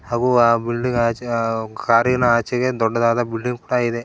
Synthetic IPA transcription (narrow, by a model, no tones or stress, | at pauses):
haːɡuabilɖiŋɡaːt͡ʃkaːɾɐɡɐnɐaːt͡ʃɐɡed̪ɔɖːɐd̪aːd̪ɐbilɖiŋɡkuːɽaid̪e